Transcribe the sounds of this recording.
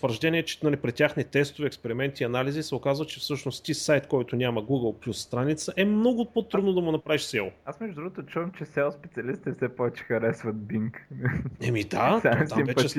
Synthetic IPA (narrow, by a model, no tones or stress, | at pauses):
t̪vəɾʒd̪ɛniɛt͡ʃɛ̥nalipɾɛt̪ʲːaxnit̪ɛst̪ʊvɛɛkspɛɾimɛnt̪iːɐnalizisɛokazvət͡ʃɛfsɤʃnost̪ʲisajt̪kɔjt̪onʲaməɡuɡəlˠplʲusːt̪ɾanit̪səʔɛmnɔɡʊpot̪ɾud̪nod̪ɐmʊnɐpɾaviʃsɛlˠoasmɛʒd̪ʊd̪ɾuɡot̪ot͡ʃuvəmt͡ʃɛsʲɛspɛt̪siɐlist̪ɛfsɛpɔvɛt͡ʃi̥xɐɾɛsvət̪̚biŋknɛmid̪at̪at̪amimvɛt͡ʃɛ